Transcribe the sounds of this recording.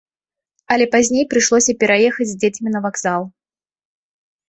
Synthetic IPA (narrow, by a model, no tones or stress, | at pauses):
ɐlʲɛpazʲnʲejpɾɨʂlˠɔsʲɐpʲɛɾajɛxɐd͡zʲzʲd͡zʲet͡sʲmʲinɐvaɡzalˠ